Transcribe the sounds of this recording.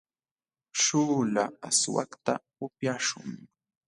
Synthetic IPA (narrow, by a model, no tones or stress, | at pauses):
ʃuːlaaswa̰kt̪a | ʊpjaʃʊŋ